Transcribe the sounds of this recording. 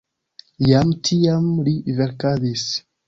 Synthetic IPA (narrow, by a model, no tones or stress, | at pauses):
jamtʰiamliveɾkadis